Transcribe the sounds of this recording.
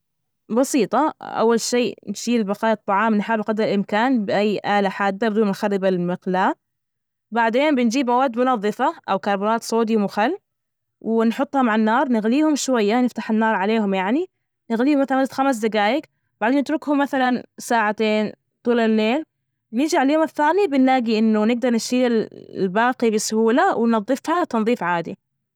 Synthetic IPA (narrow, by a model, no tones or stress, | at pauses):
bɑsiːt̪ˤɑʔa̰wːalʃiːnʃiːlbɑqɑːjɑt̪ˤːɑʕɑːmnɪħaːbqɑd̪ɾɪlʔɪmkaːnbɪʔajːʔaːlaħaːd̪ːabd̪uːnnxaɾːɪbalmɪqlaː | baʕd̪eːnbɪnd͡ʒiːbʔawaːd̪mʊnɑðˤːɨfaʔawkɑɾˤbɑɾɑːt̪sˤoːd̪jmʊxalː | wɪnħʊt̪ˤːhʊmaʕanːɑːɾˤnɪɣliːhʊmʃwajːanɪft̪ḁħɪnːɑːɾˤʕaleːhʊmjaʕni | nɪɣliːhʊmaθalxams̬d̪aɡaːjɪk | b̥aʕd̪eːnːɪt̪ɾʊkhʊmːaθalansaːʕat̪eːn | t̪ˤuːlalːeːl | nɪd͡ʒaʕaljoːmɪθːaːnibɪnlaːɡiʔɪnːʊnɪɡ̚d̪ɑɾˤnɪʃiːɪllbɑːqibɪsʊhuːlawɪnɑðˤːɨfhat̪ɑnðˤiːfʕaːd̪ḭ